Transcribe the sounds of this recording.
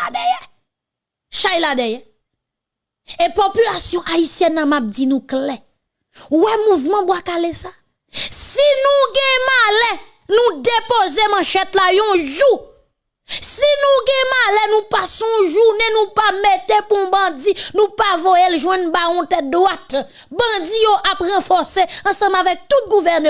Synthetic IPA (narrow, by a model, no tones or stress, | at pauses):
dɛjɛ | ʃajladɛjɛ | epopylasjɔ̃ʔaisjɛnːãmap̚d͡zinũklɛ | wɛmuvmɑ̃bwakalesa | sinũɡɛ̃malɛ | nũdepozemãʃɛtlajɔ̃ʒu | sinũɡɛ̃malɛnũpasɔ̃ɔ̃ʒunenũpametepũbãd͡zinũpavojelʒwɛ̃nbaɔ̃tɛt̚d̪wat̪ | bʌ̃d͡zijoʔapʁɑ̃fɔseɑ̃sɑ̃mavɛk̚t̪ut̚ɡuvɛʁn